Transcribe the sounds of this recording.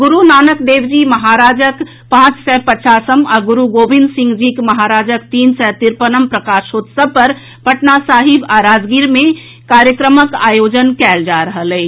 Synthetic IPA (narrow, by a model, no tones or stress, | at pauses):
ɡʊɾunaːnəkd̪eːwd͡ʒimɐɦaːɾaːd͡ʒək | pãːt͡ʃsɛpət͡ʃaːsəmɔɾɡʊɾuɡoːbɪ̃nd̪sɪ̃ŋɡd͡ʒikmɐɦaːɾaːd͡ʒək̚t̪iːnsɛt̪ɪɾpənəmpɾɐkaːʃoːt̪səpɐɾ | pəʈnasaːɦɪbaɾaːd͡ʒɡiɾmẽ | kaːɾjəkɾəməka̰ːjoːd͡ʒənkɛːld͡ʒaːɾəɦəlɛː